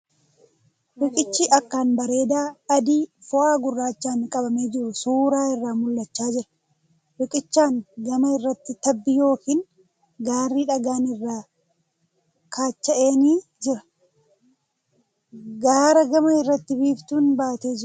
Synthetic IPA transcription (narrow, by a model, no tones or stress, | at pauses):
wɪkʼɪt͡ʃːiːʔɐkːaːnbɐɾe̞ːd̪aːɐd̪iːfʊʔaːɡʊrːaːt͡ʃːaːnkʼɐbɐme̞ːd͡ʒɪɾʊsuːɾaːɪrːaːmʊlːɐt͡ʃːaːd͡ʒɪɾɐ | wɪkʼɪt͡ʃːaːŋɡɐmɐɪrːɐt̪ːɪt̪ɐbːɪjo̞ːkiːn | ɡaːrːiːᶑɐɡaːnɪrːaː | kʰaːt͡ʃːɐʔe̞ːniːd͡ʒɪɾɐ | ɡaːɾɐɡɐmɐɪrːɐt̪ːɪbiːbt̪uːnbaːt̪e̞ːd͡ʒɪʊ